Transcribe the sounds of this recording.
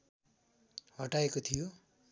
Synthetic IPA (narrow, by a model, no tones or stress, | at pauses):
ɦʌʈaekot̪ʰijo